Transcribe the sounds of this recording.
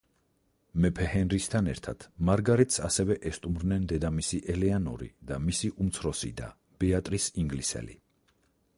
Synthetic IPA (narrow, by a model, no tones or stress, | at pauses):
mɛpʰɛhɛnɾist̪ʰanɛɾt̪ʰa̰t̪ʰmaɾɡaɾɛt̪ʰsasɛvɛʔɛst̪ʼumɾnɛnd̪ɛd̪amisiʔɛlɛanɔ̰ɾḭd̪amisiʔumt̪sʰɾɔsḭd̪a̰ | b̥ɛat̪ʼɾisiŋɡlisɛ̰lḭ